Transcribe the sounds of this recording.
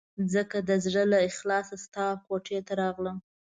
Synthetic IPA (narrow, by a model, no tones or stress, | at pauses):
zəkad̪əzɽəlaɪxlɑsast̪ɑkoʈʰet̪aɾɑɣlə